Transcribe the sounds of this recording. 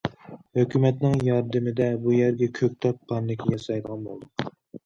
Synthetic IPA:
høkʲʰymɛt̪nɪŋjɑɾd̪ɨmɪd̪ɛbujæɾɡʲɛkʲʰøk̚ʲt̪ʰɑppʰːɑnːɪkʲʰijɑsɑjd̪əʁɑnbo̰lˠd̪uq

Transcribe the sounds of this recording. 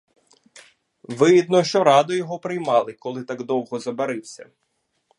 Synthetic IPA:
ʋɪɦid̪nɔʃt͡ʃɔɾɑd̪ʊjɔɦɔpɾɪjmɑlˠɪkɔlˠɪt̪ɑɡd̪ɔwɦɔzɐbeɾɪwsʲɐ̰

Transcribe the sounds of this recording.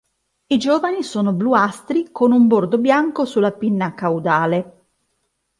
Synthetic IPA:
id͡ʒoːvanisoːnobluast̪ɾikonumbord̪objaŋkosulːapinːakawd̪aːle

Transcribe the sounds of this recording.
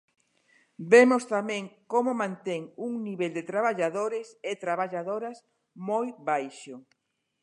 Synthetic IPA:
bemʊst̪amɛ̃ŋkomʊmãnt̪eŋuŋniβeld̪et̪ɾaβaʎaðoɾɪsɪt̪ɾaβ̞aʎaðoɾas | mojβajʃʊ

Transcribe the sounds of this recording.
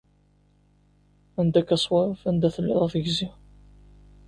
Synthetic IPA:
ænd̪ækɑsˤwɑɾˤfænd̪æθəlːə̰ðˤɑθəʝzi

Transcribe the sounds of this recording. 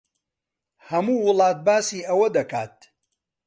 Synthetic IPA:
hɐmuːwʊlˠɑːt̪̚baːsiːʔɐwɐd̪ɐkaːt̪̚

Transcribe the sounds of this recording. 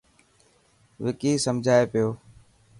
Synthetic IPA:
ʋɪkiːsəmd͡ʒʱaːepɪjoː

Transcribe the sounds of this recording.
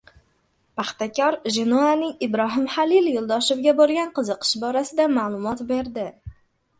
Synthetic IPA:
paχt̪akʲʰɒɾʒɪnuanɪɪbɾɒɦɪmχalɪljolˠd̪ɒʃɪvɡʲabolˠɡʲanqɨzɨqʰɨ̥ʃbɒɾasɪd̪amalˠʊmɒt̪be̞ɾd̪ɪ

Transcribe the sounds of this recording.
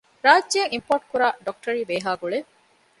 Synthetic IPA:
ɾaːd͡ʒːjɐŋimpoːɾʈ̚kuɾaːɖok̚ʈɐɾiːbeːɦaːɡuɭe

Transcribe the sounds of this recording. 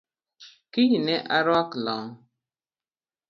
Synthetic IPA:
kiɲinɛʔaɾaklɔŋ

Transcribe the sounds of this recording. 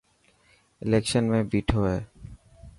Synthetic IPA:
elekʃənmebiʈʰɔe

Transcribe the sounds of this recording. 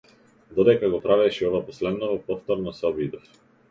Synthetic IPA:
d̪ɔd̪ɛkaɡɔpɾavɛʃiɔvapɔslɛd̪nɔvɔpɔft̪ɔɾnɔsɛɔbid̪ɔf

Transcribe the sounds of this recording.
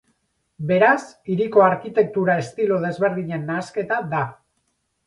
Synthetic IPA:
be̞ɾasiɾiko̞aɾkit̪e̞k̚t̪uɾae̞st̪ilo̞ð̞e̞zβe̞ɾðiɲe̞nːaːske̞t̪aða

